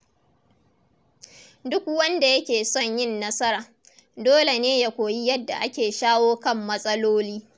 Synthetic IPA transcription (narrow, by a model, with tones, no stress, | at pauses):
dʊ˦k̚wɐ˦nda˨jɐ˦kʲeː˨sɔ˦˨ɲjɪ˦˨nːɐ˦sɐ˦ɾaː˨ | doː˦le˨neː˦ja˦kʷoː˨ji˦jɐ˦dːa̰˨ʔa˦kʲeː˨ʃaː˦woː˦kɐ˦˨mːɐ˦sʼɐ˦loː˦liː˦